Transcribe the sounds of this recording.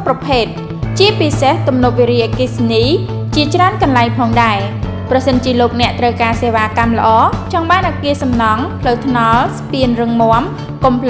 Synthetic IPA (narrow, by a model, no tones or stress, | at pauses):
prɑpʰeːt̪̚ | t͡ɕiəpiseht̪umnop̚ʋiɾiːʔakisniː | t͡ɕiət͡ɕraənkɑnlaɛŋpʰɑːŋɗaɛ | prɑsənt͡ɕiəloːk̚nɛ̆əʔt̪rəwkaːseːʋaːkamlə̆ʔɑːt͡ɕɑŋɓaːnʔakiəsɑmnɑŋpʰləwt̪ʰnɑlspiənrɨŋmŏəm | kompʰl